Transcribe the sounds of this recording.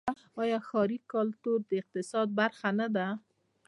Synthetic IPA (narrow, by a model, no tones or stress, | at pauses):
ɑjɑxɑɾikalt̪uɾd̪əɪq̚t̪ɪsɑd̪̚baɾxanad̪a